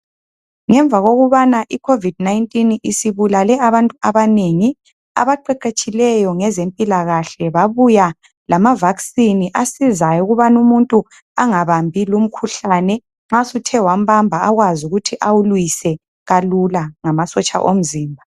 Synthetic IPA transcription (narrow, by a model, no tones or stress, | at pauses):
ŋɛɱb̪vʱaɣoɣuβanaʔikʰovid̚naintʼinisiβulalɛaβantʼuaβaneŋi | a̰βaǃɛǃet͡ʃʼilɛjɔŋɛzempʼilaɣaɬɛβaβuja | lamavaksiniʔasizajuɣuβanumuntʼu | aŋaβambʱilum̩kʰuɬanɛ | ŋ͡ǁasutʰɛwam̩bambʱaaɣwazuɣutʰiʔawulwisɛ | ɣalulaŋamasɔt͡ʃʼa̰ʔom̩ziːmbʱa